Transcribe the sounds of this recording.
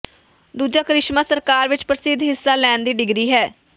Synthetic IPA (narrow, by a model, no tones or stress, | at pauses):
d̪uːd͡ʒaːkɾɪʃmãːsəɾkaːɾʋɪt͡ʃpəɾəsɪd̪ɦɪsːaːlɛːnd̪iːɖɪɡɾiːɦɛː